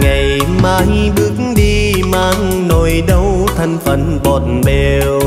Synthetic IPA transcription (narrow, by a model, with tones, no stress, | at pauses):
ŋa˨˩jmaː˧jɓɨ˨˧˦ək̚ŋ̩ɗi˧ | maː˧ŋ | no˨˩jɗə˧w | t̪ʰə˨˧ŋfə˨˩nɓɔ˨˩tnɓe˨˩ | w